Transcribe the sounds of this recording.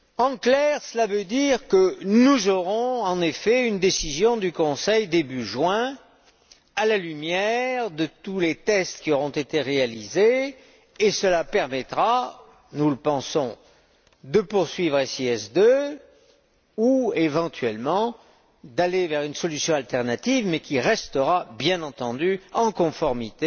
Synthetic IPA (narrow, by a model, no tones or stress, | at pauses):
ɑ̃klɛʁsəlavød̪iʁkənuzɔʁɔ̃ɑ̃nefɛynd̪esizjɔ̃d̪ykɔ̃sɛjd̪ebyʒwɛ̃ | alalymjɛʁd̪ət̪ulet̪ɛst̪kʲiɔʁɔ̃t̪et̪eʁealizeː | səlapɛʁmɛt̪χa | nuləpɑ̃sɔ̃ | d̪əpuʁsɥivʁesiɛsd̪ø | uevɑ̃t̪ʰɥɛlmɑ̃ | d̪alevɛʁynsɔlysjɔ̃alt̪ɛʁnat̪ivmɛkʲiʁɛst̪əʁabjɛ̃nɑ̃t̪ɑ̃d̪yɑ̃kɔ̃fɔʁmit̪e